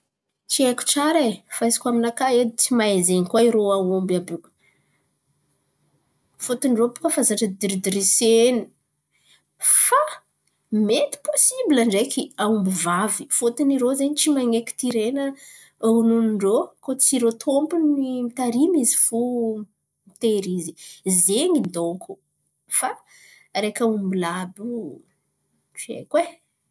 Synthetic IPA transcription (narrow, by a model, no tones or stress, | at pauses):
t͡ʃiekʲu̥ʈ͡ʂaɾefaizi̥kʲwaminakaed̪it͡simaezeɲikwaiɾoawombabu̥ | fot̪iniropu̥kəfazaʈ͡ʂəd̪iɾid̪iɾeseni̥ | fa | met̪i̥posibilaɳɖ͡ʐekʰiaumbivavifot̪iniɾozeɲit͡ʃimaŋeki̥t̪iɾenə | ununiɳɖ͡ʐokot͡siɾot̪ʰompuniimit̪aɾimizifu | mit̪eɾizizeŋid̪okʰu | fa | ɾekaumbilabu | ʈ͡ʂiḛkwe